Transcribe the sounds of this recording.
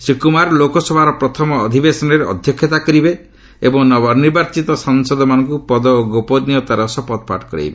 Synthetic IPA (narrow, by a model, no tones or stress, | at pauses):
sɾikumaɾlokɔsɔbʱaɾɔpɾɔt̪ʰɔmɔːd̪ʱibesɔnɔɾeɔ̰d̪ʱjɔkʰːjɔt̪akɔɾibe | ebɔŋnɔbɔɾniɾbaɾt͡ʃit̪ɔsɔŋsɔd̪ɔmanɔŋkupɔd̪ɔoɡopɔd̪niɔt̪aɾɔsɔpɔd̪̚pa̰ʈɔ̥kɔɾḛjbe